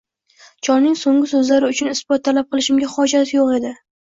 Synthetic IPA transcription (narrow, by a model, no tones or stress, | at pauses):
t͡ʃʰɒnnɪŋsoŋʲɪsɵzlaɾɪʊt͡ʃʰʊnɪsb̥ɒt̪ʰːalap̚qʰɨlˠɪʃɪmɡʲaχɒd͡ʒat̪ɪjoqe̞d̪ɪ